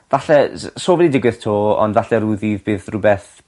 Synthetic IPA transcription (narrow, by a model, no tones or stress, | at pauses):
vaɬɛsoːvɛdidɪɡwɨð̥tʰoːɔ̰ndvaɬɛɾuðivbɨːðrʊbɛθ